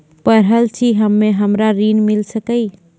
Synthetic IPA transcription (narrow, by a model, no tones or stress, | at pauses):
pəɾɦəlt͡ʃʰiɦəmːeɦəmɾaɾinmilsəkəj